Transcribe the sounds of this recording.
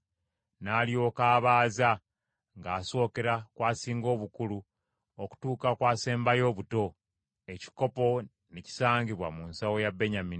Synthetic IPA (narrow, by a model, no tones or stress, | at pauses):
nalio̞ːkaːβaːza | ŋɡaːso̞ːke̞ɾakwaːsiːŋɡo̞ːβukulu | oku̥tuːkakwaːse̞ːmbajo̞ːβuto̞ | e̞ci̥ko̞po̞ | neci̥saːɲɟiβwamunsawo̞jabe̞ɲamin